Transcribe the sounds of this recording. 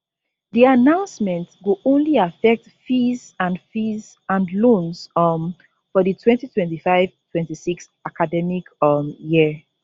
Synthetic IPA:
ðianãʊ̃nsmɛ̃ntɡuʔõnliafɛk̚tfizãnfiz | ãnlõnsm | fɔðətʰwɛ̃ntitʰwɛ̃ntifaɪv̥tʰwɛ̃ntisiks | akadɛmikji

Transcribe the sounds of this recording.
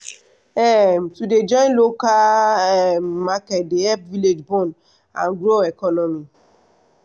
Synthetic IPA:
ɛmtuded͡ʒɔ̃jnlokaɛmakɛtdeɛpviled͡ʒbɔ̃n | ã̰nɡɾoɛkɔnɔmi

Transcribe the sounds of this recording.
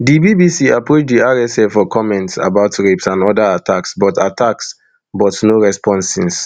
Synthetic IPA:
dibibisiapʰɹot͡ʃdiaɹɛsɛfɔkʰɔmɛ̃ntsa̰baʊtɹepsãnɔdaatʰaksbɔtatʰaks | bɔtnoɹɛspʰɔ̃nsĩns

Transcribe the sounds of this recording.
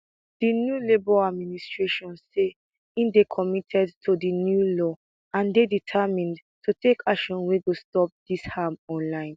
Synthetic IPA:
d̥injulebɔad̚ministɹeʃɔ̃nse | ĩndekʰɔmitʰɛdtʰodinjulɔ | ãndeditʰamĩntʰutekʰakʃɔ̃nweɡostɔp̚d̥ishamɔ̃nlãɪ̃n

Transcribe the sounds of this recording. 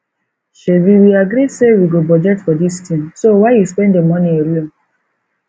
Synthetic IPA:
ʃeviwiaɡɾisewiɡobɔd͡ʒɛtfɔdistʰĩmsowaɪjuspɛ̃ndemɔ̃nĩeɾiɔ̃

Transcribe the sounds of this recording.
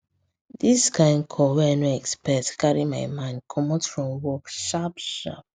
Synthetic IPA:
diskãɪ̃ndkʰɔwɛajnoɛkspɛktkʰaɹimajmãɪ̃ndkʰɔmotfɹɔ̃mwɔkʃapʃa̰p̚

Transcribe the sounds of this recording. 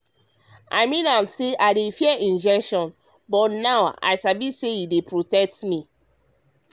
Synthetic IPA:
a̰ɪmĩnãmseʔaɪdefiɛʔĩnd͡ʒɛkʃɔ̃n | bɔtnawa̰ɪsabisejidepɹotɛk̚tmi

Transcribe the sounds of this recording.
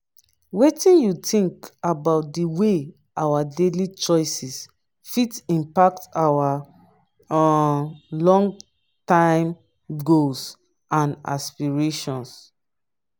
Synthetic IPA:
wetĩnjutĩŋkabaʊt̚diwe | ʔawadelit͡ʃɔɪsis | fitĩmpak̚tawa | lɔ̃ŋɡ | tãɪ̃m | ɡols | ãna̰spiɹeʃɔ̃ns

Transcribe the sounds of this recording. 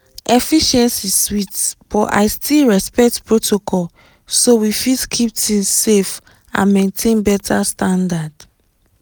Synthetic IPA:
ʔɛfiʃɛ̃nsiswitb̥ɔʔa̰ɪstilɹɛspɛk̚tpɹotʰokʰɔl | sowifidkʰip̚tĩŋsef | ã̰nmẽntʰẽnbɛtʰastãndad

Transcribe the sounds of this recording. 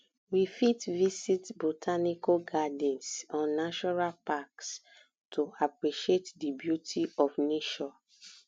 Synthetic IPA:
wifitvisitbotʰanikoɡadɛ̃nsɔ̃nːaʃɔnalpaks | tʰoapɹiʃietdibjutʰiɔfneʃɔ

